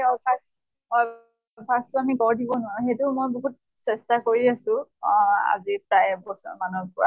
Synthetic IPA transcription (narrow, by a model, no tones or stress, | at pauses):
eɔpʰas | ɔ | pʰastuamikɔɹdibɔnʊwaɹuxejtʊmojboɦut̚ | sɛstakoɹiasʊ̃ | a̰zipɹajbɔsɔ̰ɹmanɔɹpɔɹa